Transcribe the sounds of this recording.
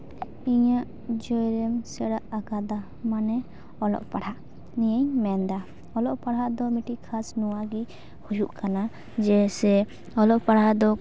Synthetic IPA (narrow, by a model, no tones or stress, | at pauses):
iɲaʔ | d͡ʒɔjɾɛmsɛɽaʔakad̪a | manɛ | ɔlɔ̰ʔpaɽhaʔ | nijəɲmɛnd̪a | ɔlɔʔpaɽɦaʔd̪ɔmiʈikʰasnuwaɡi | hujuʔkana | d͡ʒɛsɛ | ɔlɔʔpaɽ̤ad̪ɔ